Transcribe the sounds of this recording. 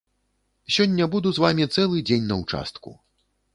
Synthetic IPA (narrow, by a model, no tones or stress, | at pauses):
sʲɔnʲːɐbud̪uzvamʲit̪sɛlˠɨd͡zʲenʲnɐwt͡ʂa̰st̪kṵ